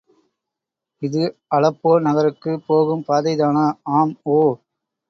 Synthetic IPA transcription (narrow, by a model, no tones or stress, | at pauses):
ɪðɯɐlɐpːoːnɐɣɐɾɯkːɯpːoːɣɯmpaːðɐɪðaːnɐaːmoː